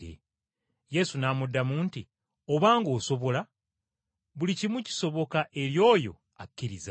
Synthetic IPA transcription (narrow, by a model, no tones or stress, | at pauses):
ḛ | je̞sunaːmudːamuːnti | o̞βaːŋɡo̞ːso̞βo̞la | βulicimuci̥so̞βo̞kaʔe̞ɾjo̞ːjo̞̰ | akːiɾiza